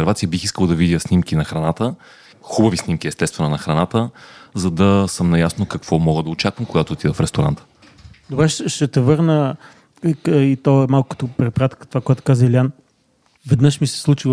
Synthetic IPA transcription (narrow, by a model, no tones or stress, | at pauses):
ɛɾvat̪sijəbixiskəlˠd̪ɐvid̪ʲjəsnimkinɐxɾɐnat̪ə | xubɐvisnimkiɛst̪ɛst̪vɛnonɐxɾɐnat̪əzɐd̪ɐsəmnɐjasnokɐkv̥ɔmɔɡəd̪ɐot͡ʃakvəmkoɡat̪oːt̪ivəfɾɛst̪oɾa̰nt̪ə̥ | d̪ʊbɾɛʃʃɛt̪ɛvɤɾnə | it̪ɔɛmalˠkʊ̥kə̥t̪opɾɛpɾat̪kə̥t̪ovakojɛt̪ʊ̥kazəilʲian | vɛd̪nɤʃmisɛ̥slˠut͡ʃi